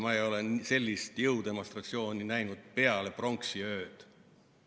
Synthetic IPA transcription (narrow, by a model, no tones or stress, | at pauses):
mɑejo̞lese̞lʲːist̪jɤwd̪e̞mo̞st̪rɑt̪sio̞ːninæjnud̪̥̚pe̞ɑle̞pro̞ŋksiø̞ːd̪̥